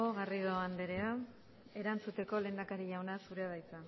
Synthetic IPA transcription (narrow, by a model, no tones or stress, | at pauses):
oɣariðoand̪eɾe̞a | e̞ɾant͡sut̪e̞ko̞le̞ːnd̪akaɾiʎawnasuɾe̞að̞ajt͡sa